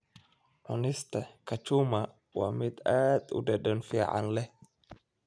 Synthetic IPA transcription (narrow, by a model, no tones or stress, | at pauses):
ʔʊnɪst̪ɐkʰɐt͡ʃʊma | wa̰ːmɪd̪aːd̪ʊ̰dɛɗɛnfiːʕa̰nlɛ